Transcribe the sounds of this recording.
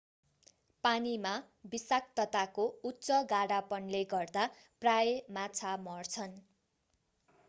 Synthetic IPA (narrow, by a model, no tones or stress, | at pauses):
panima | bisak̚t̪ʌt̪akoutːt͡sʌɡaɽapʌnleɡʌrd̪a | prajemat͡sʰamʌrt͡sʰʌn